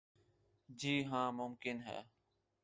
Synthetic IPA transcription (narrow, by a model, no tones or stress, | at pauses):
d͡ʑiːɦãːmʊmkɪnɦɛ̰ː